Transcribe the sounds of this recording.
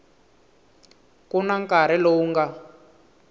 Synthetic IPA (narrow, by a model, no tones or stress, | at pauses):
kunaŋkaɾɛlouŋɡa